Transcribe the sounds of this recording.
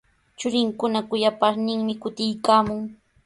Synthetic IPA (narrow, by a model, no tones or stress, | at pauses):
t͡ʃʊɾɪŋkʊnakʊjapaɾnɪŋmɪkʊt̪ɪjkaːmʊŋ